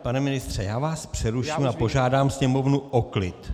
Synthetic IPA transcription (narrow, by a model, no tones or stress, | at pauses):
panɛmɪnɪst̪r̝̥ɛjaːvaːspr̥ɛɾuʃimapo̞ʒaːdaːmsɲɛmo̞vnuʔoklɪt̪